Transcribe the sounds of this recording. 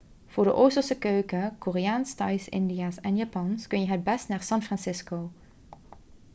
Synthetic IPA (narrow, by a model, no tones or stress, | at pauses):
v̥ʊːɹdə̰ʔoːstəɹsəkøɥkəkoːrɪjaːnstɑjsɪ̰ndijaːsɛnjaːpɑnskɵnjəɦəd̚bɛstnaːɹsɑnfrɑnsɪskow